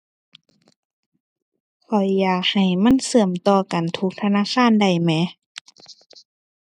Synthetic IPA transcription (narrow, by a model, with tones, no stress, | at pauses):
kʰɔ˨˩jːaː˨˩k̚ha˨˩jma˧˥˨nsɤ˧˩əmt̪ɔː˧˩ka˨nt̪ʰu˧˦˥k̚t̪ʰa˧naː˧˥˨xʰaː˧˥˨nda˨˩jmɛ˨˧˥